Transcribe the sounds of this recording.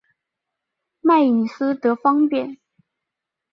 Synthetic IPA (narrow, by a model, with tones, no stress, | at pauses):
ma˥˩ɪi˨˩sɹ̩˥t̪ɤ˧˥fɑ˥ŋpjɛ˥˨˩n